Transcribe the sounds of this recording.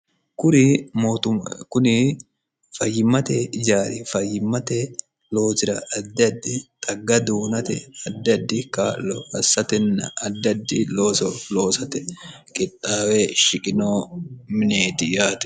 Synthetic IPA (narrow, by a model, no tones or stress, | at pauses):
kʊnɪmoːt̪ʊkʊnɪ | fɐjːɪmːɐt̪ɛd͡ʒaːɾɪfɐjːɪmːɐt̪ɛ | loːt̪ɪɾɐ̰ʔɐd̪ːɐd̪ːɪt̪ʼɐɡːɐd̪uːnɐt̪ɛ̰ɐd̪ːɐd̪ːɪkɐɐsːɐt̪ɛnːɐɐd̪ːɐd̪ːɪloːsloːsɐt̪ɛ | kʼɪt̪ʼːaːweʃɪkʼɪnoːmɪneːt̪ɪjaːt̪ɛ̥